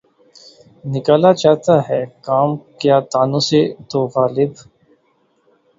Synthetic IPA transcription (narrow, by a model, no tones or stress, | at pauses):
nɪkaːlat͡ʃaːt̪aɦɛːkaːmkjaːt̪aːnõset̪oːɣaːlɪb